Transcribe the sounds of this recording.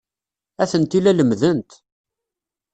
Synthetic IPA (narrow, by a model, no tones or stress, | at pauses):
æθənt̪ilæləmðənt̪